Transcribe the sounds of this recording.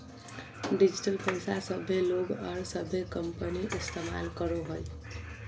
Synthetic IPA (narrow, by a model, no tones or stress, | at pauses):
ɖid͡ʒiʈəlpəjsasəbʱːeloɡɔɾsəbʱekəmpəniʔist̪ema̰lkəɾoɦoj